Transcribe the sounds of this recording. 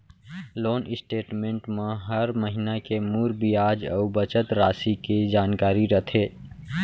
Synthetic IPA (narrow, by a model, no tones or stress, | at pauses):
loːnɪsʈeːʈmẽːɳʈmẽɦəɾməɦinakemuːɾbijaːd͡ʒə̰ubət͡ʃət̪ɾaːsikid͡ʒaːnkaːɾiɾət̪ʰe